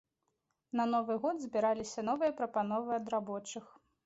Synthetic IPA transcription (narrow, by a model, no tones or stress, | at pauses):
nɐnɔvɨɣɔd̪zʲbʲiɾalʲisʲɐnɔvɨjɐpɾɐpanɔvɨɐd̪ɾabɔt͡ʂɨx